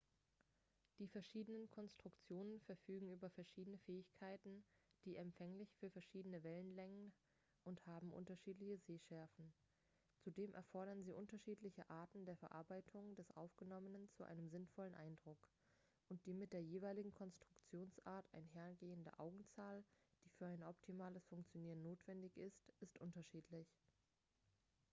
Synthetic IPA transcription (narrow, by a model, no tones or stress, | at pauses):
d̥iːfɛɐʃiːdənənkʰɔnstʁ̥ʊkt͡sjoːnənfɛɐfyːɡŋ̩yːbɐfɛɐʃiːdənəfɛːɪçkʰaɪtn̩d̥iːʔɛmpfɛŋlɪçfyːɐfɛɐʃiːdənəvɛlənlɛŋən | ʔʊnthaːbm̩ʔʊ̰ntɐʃiːtlɪçəzeːʃɛɐfn̩ | t͡sudeːmʔɛ̰ɐfɔɐɾɐnziːʔʊntɐʃiːtlɪçəʔaːɐtn̩deːɐfɛɐʔaɐbaɪtʰʊŋdɛsʔa̰ʊfɡ̥ənɔmənənt͡suʔa̰ɪnəmzɪnfɔlənʔaɪndʁʊk | ʔʊnt̚d̥iːmɪt̚d̥eːɐjeːvaɪlɪɡŋ̩kʰɔnstʁ̥ʊkt͡sjoːnsʔaːɐtʰa̰ɪnɦeːɐɡeːəndɐ̰ʔaʊɡŋ̩t͡saːld̥iːfyːɐaɪnʔɔptʰimaːləsfʊŋk̚t͡sjoniːʁənːoːtv̥ɛndɪçɪstʔɪstʔʊntɐʃiːtʰlɪç